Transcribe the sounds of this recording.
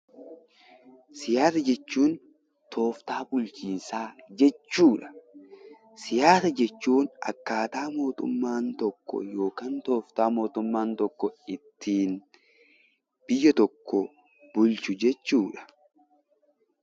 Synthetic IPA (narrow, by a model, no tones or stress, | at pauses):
sɪjaːsɐd͡ʒɛt͡ʃːuːn | t̪ʰo̞ːft̪aːbʊlt͡ʃiːnsaːd͡ʒɛt͡ʃːuːᶑɐ̥ | sɪjaːsɐd͡ʒɛt͡ʃːuːnɐ̰kːaːt̪aːmo̞ːt̪ʊ̰mːaːnt̪ɔkːɔ̰jo̞ːkaːnt̪o̞ːft̪aːmo̞ːt̪ʊmːaːnt̪ɔkːɔɪt̪ʰːiːn | b̥ɪjːɐt̪ɔkʰːɔ | b̥ʊlt͡ʃʊd͡ʒɛt͡ʃːuːᶑɐ̥